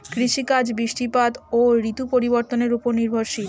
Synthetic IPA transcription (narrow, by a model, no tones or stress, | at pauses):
kɾiʃikad͡ʑbiʃʈipat̪oɾit̪upoɾiboɾt̪oneɾupoɾniɾbʱoɾʃi